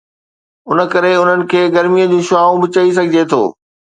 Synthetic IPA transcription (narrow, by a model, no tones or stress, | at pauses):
ʊnə̆kɐɾeʊn̤ənɪ̆kʰeːɡɐɾmijəd͡ʑũːʃʊaːũbɪt͡ɕɐis̬ɐɡʱɪd͡ʑet̪ʰo̰ː